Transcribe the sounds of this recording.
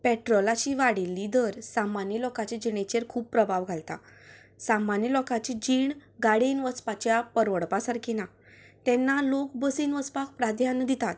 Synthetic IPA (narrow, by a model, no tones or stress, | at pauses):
pɛʈɾɔlat͡ɕiʋaɽilːid̪əɾsamanjəlɔkat͡ɕed͡ʑiɳ̃et͡ɕeɾkʰuːppːɾəbʱaʋɡʱalt̪a̰ | samanjəlɔkat͡ɕid͡ʑiɳɡaɽinʋəspat͡ɕjapəɾʋəɽpasaɾkʰina | t̪ɛ̃nːalok̚bəsinʋəspak̚pɾad̪ʱjand̪it̪at̪̚